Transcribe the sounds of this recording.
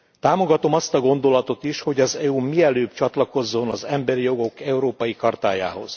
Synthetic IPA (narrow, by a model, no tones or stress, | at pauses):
t̪aːmo̞ɡɒt̪o̞mɒst̪ɒɡo̞nd̪o̞lɒt̪o̞t̪iʃho̞ɟɒzɛumiɛløːbt͡ʃɒt̪lɒko̞zːo̞nɒzɛmbɛɾijo̞ɡo̞kɛuɾoːpɒjikɒrt̪aːja̰ːɦo̞̰z̥